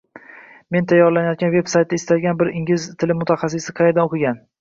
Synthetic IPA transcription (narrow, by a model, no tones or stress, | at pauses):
me̞nt̪ʰajːɒɾlanajɒt̪̚ɡʲanve̞bsajt̪̚d̪aɪst̪alʲɡʲanbɪɾɪŋʲɪzt̪ʰɪlɪmʊt̪ʰaχɑs̬ːɪsɪqʰɑjd̪anoqʰɪɡʲan